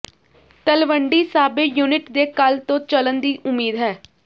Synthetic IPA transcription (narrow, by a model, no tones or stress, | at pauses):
t̪əlʋəɳɖiːsaːbeːjuːnɪʈd̪eːkəlt̪õːt͡ʃələnd̪iːʔʊmːiːd̪ɦɛː